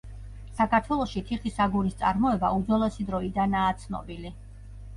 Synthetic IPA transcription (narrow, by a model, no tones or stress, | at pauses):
sakʰaɾt̪ʰwɛlˠɔʃit̪ʰiχisaɡuɾist̪sʼa̰ɾmɔɛbaud̪zwɛlˠɛsid̪ɾɔid̪anaːt̪sʰnɔ̰bili